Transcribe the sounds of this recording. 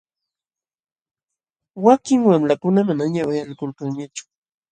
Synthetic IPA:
wakɪŋwamlakʊnamanaɲawajalkʊlkaŋɲat͡ʃʊ̥

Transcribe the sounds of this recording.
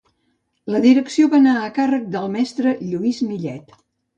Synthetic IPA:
ləðiɾəksioβanaəkarək̚d̪əlˠmɛst̪ɾəʎuizmiʎɛt̪

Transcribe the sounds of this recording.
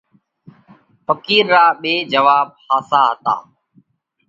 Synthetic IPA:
pəkiːɾːaːɓeːd͡ʒəʋaːb̚haːsaːɦət̪a̰ː

